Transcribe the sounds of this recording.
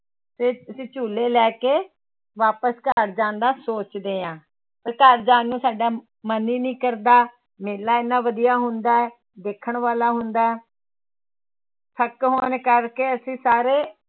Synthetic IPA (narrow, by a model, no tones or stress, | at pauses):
t̪eːəsĩːt͡ʃuːleːlɛːkeː | ʋaːpəskəɾd͡ʒãːnd̪aːsoːt͡ʃd̪eːãː | t̪əːkəɾd͡ʒãːnːũːsaːɖaː | məniːnĩːkəɾd̪aː | meːlaːɪnːãːʋəd̪ijaːɦʊnd̪aːɛː | d̪eːkʰːəɳʋaːlaːɦʊnd̪aːɛː | t̪ʰəkɦoːnkəɾkeːəsĩːsaːɾeː